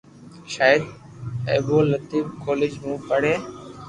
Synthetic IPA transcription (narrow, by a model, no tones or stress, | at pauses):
ʃaːəd̪ | eːboːlət̪iːfkoːlɪd͡ʒmũːpəɽ̤eː